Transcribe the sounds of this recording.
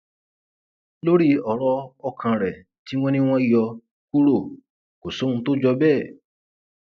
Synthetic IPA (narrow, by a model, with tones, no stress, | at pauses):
lo˦ɾi˦ɔ˨ɾɔ˧ɔ˧kʰã˧ɾɛ˨ | ti˨˦w̃ɔ̃˦nĩ˦w̃ɔ̃˦i˨jɔ˧ | ku˦ɾo˦˨ | ko˨so˨˦˧ũ˧to˦d͡ʒɔ˧bɛː˦˨